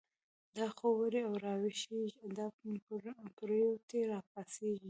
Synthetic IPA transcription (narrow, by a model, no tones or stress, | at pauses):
d̪ɑxowəɾeawɾɑwɪʃeiad̪ɑ | kɾəjot̪eɾɑpaseɡi